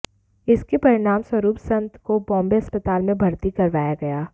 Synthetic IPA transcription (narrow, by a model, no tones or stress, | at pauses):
ɪskepɐɾɪɽ̃aːmswɐɾuːpsɐ̃nt̪kobɔ̃ːmbeɦɐspət̪aːlmẽbʱɐɾt̪ikɐɾʋaːjaɡɐjaː